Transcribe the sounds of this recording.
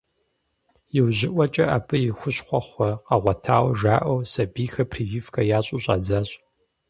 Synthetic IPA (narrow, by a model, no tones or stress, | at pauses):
jɪwʑɪʔʷɔt͡ʃʼɐʔaːpʰɨjɪxʷʊɕχʷɔχʷɔqɐʁʷɐtʰaːwʒaːʔɐwsɐbiːxɐpʰriɥifkʰɐjaːɕʼuɕʼa̰ːd͡zaɕʼ